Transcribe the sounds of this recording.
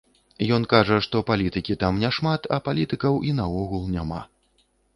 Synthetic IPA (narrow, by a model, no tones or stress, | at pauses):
jɔnkaʐɐʂt̪ɔpalʲit̪ɨkʲit̪amnʲɛʂmat̪ʰɐ̰palʲit̪ɨkɐwʔinɐɔɣulˠnʲama̰